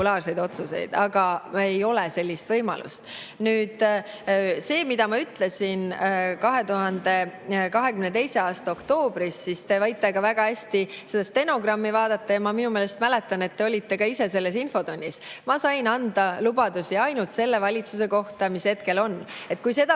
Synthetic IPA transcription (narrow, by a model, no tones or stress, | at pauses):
ulɑːrse̞jd̪̥o̞t̪suse̞̰jd̪̥ɑɡ̥ɑe̞jo̞lese̞lʲːist̪vɤjmɑ̰lṵst̪ | nyːd̪̥ | se̞ːmid̪ɑmɑyt̪ˑle̞sʲinkɑɦe̞t̪uɦɑnd̪e̞kɑɦe̞kymne̞t̪e̞jse̞ɑːst̪ɑo̞kt̪o̞ːb̥ɾisːist̪e̞vɑjt̪ːˑeɡ̥ɑvæɡ̥ɑhæsʲt̪iselːest̪e̞no̞ɡ̥rɑmːivɑːd̪̥ɑt̪ːˑɑjɑmɑminumeːlest̪mæle̞t̪ːˑɑne̞t̪ːe̞o̞lʲit̪ːe̞kɑise̞se̞lːe̞sinfo̞d̪o̞nʲːismɑsɑjnɑnd̪̥ɑlubɑd̪̥usiɑjnult̪se̞lːe̞vɑlʲit̪suse̞ko̞ht̪ɑmishe̞t̪ke̞lo̞nːe̞t̪̚ːˑkujse̞d̪ɑ